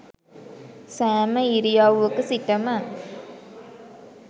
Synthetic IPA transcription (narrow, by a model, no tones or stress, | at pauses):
sæːmɐiɾijaːʋuʋɯkːɯsiʈːɐmɐ